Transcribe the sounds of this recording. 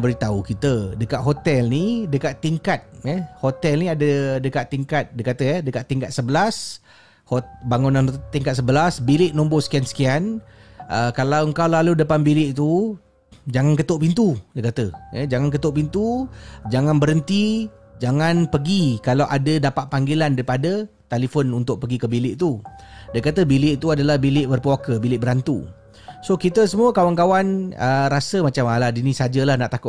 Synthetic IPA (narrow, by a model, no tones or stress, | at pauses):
bəɾit̪aukit̪ədəkaʔ̪̚ɦot̪ɛlnidəkat̪ːiŋkat̪̚jɛhot̪ɛlniadədəkaʔt̪ːiŋkat̪̚dəkat̪əjɛdəkat̪ːiŋkat̪̚səbəlas | hobaŋunant̪ːiŋkat̪səbəlasbilɪʔnõmbosə̥kiansə̥kianəkalawəŋkawlaludəpanbilɪʔt̪u | d͡ʒaŋankət̪oʔpint̪udəkat̪əjəd͡ʒaŋankət̪ʊʔpint̪ud͡ʒaŋãnbəɾənt̪i | d͡ʒaŋãnpəɡikalawʔa̰dədapat̪̚paŋɡilandaɾipadət̪elifɔnunt̪ʊʔ̚pəɡikəbilɪʔt̪udakat̪əbilɪʔt̪uadalahbilɪʔbərpəakəbilɪʔbəɾant̪ṵ | sokit̪əsəmuəkawankawanəɾasəmat͡ʃamaladinĩsad͡ʒəlahnaʔt̪akʊ